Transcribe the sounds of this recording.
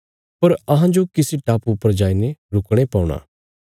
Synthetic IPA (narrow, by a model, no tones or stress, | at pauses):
pɐɾɐɦãd͡ʒokɪsiʈaːpupəɾd͡ʒaːineɾʊkɽ̃epaːʊɽ̃a̰ː